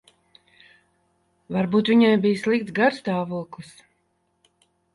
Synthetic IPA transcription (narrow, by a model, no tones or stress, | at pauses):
vaɾbuːt̪vʲiɲajbijslˠik̚t̪sɡaɾst̪aːvuɔklˠɨs